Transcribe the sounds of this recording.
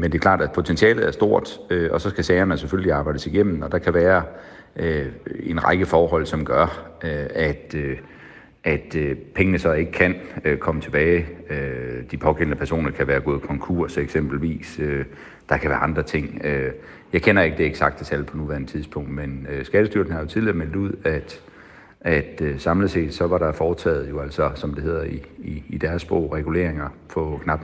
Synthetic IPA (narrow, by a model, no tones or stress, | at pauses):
mend̥e̝ːkʰlɑ̰̈ːd̥æ̥pʰo̝t͡sʰent͡sʰiɛ̰ːlð̩ˠæɐsd̥o̝ɐ̰d̥øʔɒ̽sɒ̽sɡ̥æsɛɪɐnəseføljəliɑ̈ːbɑ̈ɪdəsiɡ̥em̰n̩ɒ̽d̥ɑ̈kʰæʋæːɐ | øe̝nʁɑ̈ɪɡ̥əfɒːɦɒ̽l̰sɒ̽mɡ̥ɶɐøæd̥ø | ʔæd̥øpʰeŋənəsɒ̽e̝ɡ̥əkʰænøkʰɒ̽mət͡sʰe̝b̥ɛːɪød̥ipʰɒ̽ɡʰen̰nəpʰæɐso̝̰ːnɐkʰæʋæːɐɡ̥ɔ̝ːðˠkʰɒ̽ŋkʰṵɐ̰seɡ̥sem̰b̥l̩ʋḭːsø | d̥ɑ̈kʰæʋæːɐɑ̈nd̥ʁɐt͡sʰe̝ŋ̰ø | jɑ̈ɪkʰenɐe̝ɡ̥əd̥e̝eɡ̥sɑ̈ɡ̥̚d̥esæl̰̥̚pʰɒ̽nuʋæɐnət͡sʰiðˠspʰɔ̽ŋ̰d̥menøsɡ̥æd̥əsd̥yɐɡ̥neŋhɑ̈jo̝t͡sʰiðˠliɐmel̰d̥uð̞̰ˠæd̥ | ʔæd̥øsɑ̈mləse̝̰ːd̥sɒ̽ʋɑ̈ɾ̥ɑ̈fɒːt͡sʰɛ̰ːð̞̩ˠjo̝æl̰sɒsɒ̽md̥e̝he̝ð̰ˠɐiːd̥æɐsb̥ʁɔ̰ʊ̰ʁɛɡ̥ule̝̰ɐ̰eŋɐpʰɒ̽kʰnɑ̈b̥n̩